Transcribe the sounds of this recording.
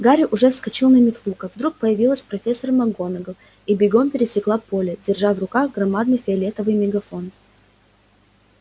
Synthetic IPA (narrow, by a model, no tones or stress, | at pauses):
ɡaɾʲɪʔʊʐɛfskɐt͡ɕilˠnəmʲɪt̪lˠukəvd̪ɾuk̚pəjɪvʲilˠəsʲpɾɐfʲesːərmɐɡo̞nəɡəlˠ | ibʲɪɡo̞mpʲɪɾʲɪsʲɪklˠapo̞lʲɪdʲɪrʐavrʊkaɣɡrɐmad̪nɨjfʲɪɐlʲet̪əvɨjmʲɪɡɐfo̞n